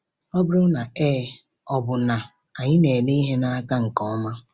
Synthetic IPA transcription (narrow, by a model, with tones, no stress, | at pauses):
ɔ˦bɪ˦ɾʊ˦na˨eː˦ | ɔ˨bʊ˨na˨ | a˨ɲɪ˦ne˨le˦i˦ɦe˦na˦ka˦ŋ̩˨kɔ˦ma˦